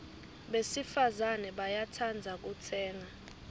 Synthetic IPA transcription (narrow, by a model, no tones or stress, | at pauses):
ɓesifazanɛɓajatʰand͡zʱak̬ʼut͡sʰɛːŋa